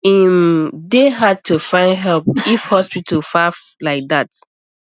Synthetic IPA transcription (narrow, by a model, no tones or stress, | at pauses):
ĩmdeɦad̚tʰufãɪ̃ndɦɛlpifhɔspitʰəlfaf | laɪk̚ðat